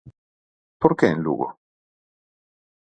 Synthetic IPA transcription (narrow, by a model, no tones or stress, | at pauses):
poɾkɛinlṵːɡo̰